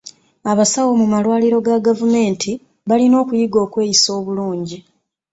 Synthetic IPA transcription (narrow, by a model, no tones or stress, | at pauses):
aβasawo̞mumalwaːliɾo̞ɡaɡavume̞ːntʰi | βalino̞ːkujiɡo̞ːkwe̞ːjiso̞ːβuluːɲɟi